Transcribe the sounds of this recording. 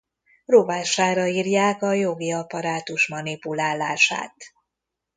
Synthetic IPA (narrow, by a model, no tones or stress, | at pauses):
rovaːʃaːɾɒiːrjaːkɒjo̞ɡiɒpɒɾaːt̪uʃmɒnipulaːlːaːʃa̰ːt̪